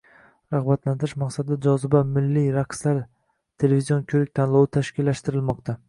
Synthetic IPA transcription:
ɾaʁbat̪lant̪ɪɾɪʃmaqsad̪ɪad͡ʒɒzɪbamɪlːiɾaqslaɾ | t̪ʰe̞le̞vizijonkʲʰɵɾɪk̚ʲt̪ʰanlˠɒwɪt̪ʰaʃkʲɪlːaʃt̪ɪɾɪlmɒq̚t̪ʰa

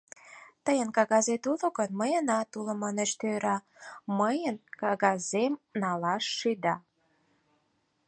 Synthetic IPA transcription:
t̪əjənkɑɣɑzet̪ulŏɣənməjənɑt̪ulə̆mɑneʃt̪øɾɑ | məjənkɑɣɑzemnɑlɑʃːyd̪ɑ

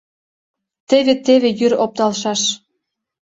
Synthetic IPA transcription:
t̪eβet̪eβejyɾop̚t̪ɑlʃɑʃ

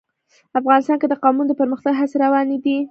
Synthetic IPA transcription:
afɣɑnɪst̪ɑnked̪əqɑmund̪əpəɾməxt̪aɡɦaseɾawɑnid̪i

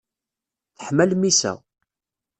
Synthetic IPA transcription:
θəħmælmisæ̰

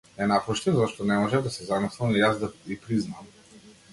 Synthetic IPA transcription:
ɛnapɔʃt̪ɛnzaʃt̪ɔnɛmɔʒɛvd̪asɛzamɔslˠamijazd̪aipɾiznam

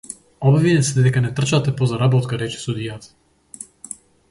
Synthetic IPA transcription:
ɔbvinɛsɛd̪d̪ɛkanɛt̪r̩t͡ʃat̪ɛpɔzaɾabɔt̪kaɾɛt͡ʃɛ̥sud̪ijat̪ḁ

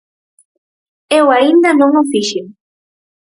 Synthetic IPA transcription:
ewaĩnd̪anõŋofiʃe

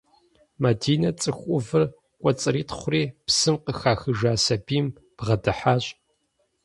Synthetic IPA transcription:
madiːnɐt͡sʼɨxʷʼʊvɨr | kʷʼɔt͡sʼɨɾiːtʰχʷʊriːpsɨmqəxaːxɨʒaːsɐbiːm | b̥ʁɐdɨħaːɕʼ

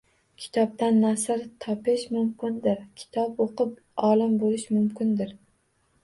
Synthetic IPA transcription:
kʲʰɪ̥t̪ʰɒp̚t̪anːasɪɾt̪ʰɒpɪʃmʊmkʲɪnd̪ɪɾkʲʰɪ̥t̪ʰɒpoqɨp̚ | ɒlɪmbolɪʃmʊmkʲɪnd̪ɪɾ

